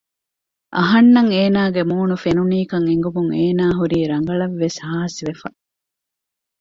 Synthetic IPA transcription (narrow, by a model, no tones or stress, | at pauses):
ʔɐɦɐnːɐŋeːnaːɡemuːnufenuniːkɐŋeŋɡumuŋeːnaːɦuɾiːɾɐŋɡɐɭɐʋːeshaːɦɐsiʋefɐ̰